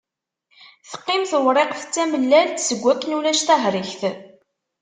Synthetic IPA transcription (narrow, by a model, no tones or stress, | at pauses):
θə̥qːɪmθəwɾˤeqθə̥t͡sːæməlːælt̪səɡʷːækːnulæʃt̪æɦɾˤiçθ